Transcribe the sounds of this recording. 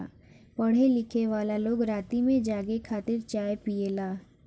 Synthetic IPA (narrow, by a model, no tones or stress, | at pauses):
pɐɽ̤elɪkʰeʋaːlaloːɡɾaːt̪imẽd͡ʒaːɡekʰaːt̪ɪɾt͡ʃaːepielaː